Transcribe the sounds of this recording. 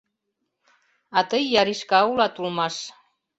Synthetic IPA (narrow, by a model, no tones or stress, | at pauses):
ɑt̪əjːɑɾiʃkɑulɑt̪ulmɑʃ